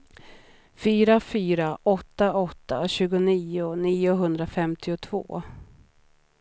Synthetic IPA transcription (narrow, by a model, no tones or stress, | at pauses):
fyːɾafyːɾaʔɔt̪ːaɔt̪ːa̰ɕʉ̟ːɡʊniːʊniːʊɦɵnd̪ɾafɛmt̪ʰɪʊt̪ʰvo̰ː